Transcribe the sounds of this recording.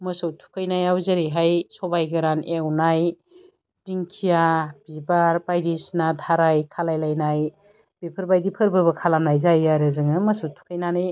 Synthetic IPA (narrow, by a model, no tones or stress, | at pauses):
mɐsɯwtʰu̥kʰajnajawzɯɾiɦajsɔbajɡɐɾanewnaj | diŋkʰijab̥ibaɾbajdisnadʱaɾajkʰalajlajnaj | b̥ipʰɐɾbajdipʰɯɾbɐbɐkʰalamnajzajaɾɯzɯŋɯmɐsɯwtʰu̥kʰajnanɯj